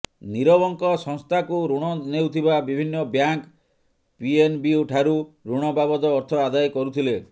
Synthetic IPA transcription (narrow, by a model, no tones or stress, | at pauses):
niɾɔbɔŋkɔsɔŋst̪ʰakuɾuɽ̃ɔnewt̪ʰibabibʱinːɔbjaŋk | pienbiuʈʰaɾuɾuɽ̃ɔbabɔd̪ɔːɾt̪ʰɔad̪ajkɔɾut̪ʰile